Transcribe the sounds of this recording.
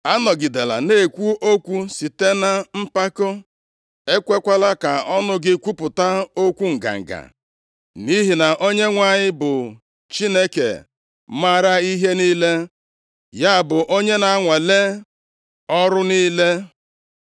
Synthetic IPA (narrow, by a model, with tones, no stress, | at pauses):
a˦nɔ˨ɡi˨de˨la̰˨ne˦˨kʷu˦ʔo˦kʷu˦si˨te˦na˦m̩˦pa˦kʊ˦ | e˦kʷe˦kʷa˦la˦ka˨ɔ˦nʊ˦ɡɪ˦kʷu˦pʊ˨ta˦o˦kʷu˦ŋ̩˨ɡa̰˨ŋ̩˨ɡa̰˨ | ni˦ɦi˨na˨ʔo˦ɲe˦ŋʷa˨ɲɪ˦bʊ˨ | t͡ʃi˦ne˦kḛ˨ | ma˦ɾa˦i˦ɦe˦ni˦le˦ | ja˦˨bʊ˨ʔo˦ɲe˦na˨a˦ŋʷa˨le˦ | ɔ˦ɾʊ˦niː˦le˦